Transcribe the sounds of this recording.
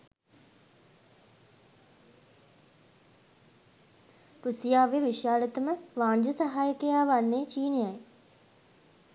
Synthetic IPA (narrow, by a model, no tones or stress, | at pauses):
ɾusijaːʋeʋiʃjaːlit̪əməʋaːɲd͡ʒəsaɦaːjəkejaːʋanːet͡ʃiːnejaj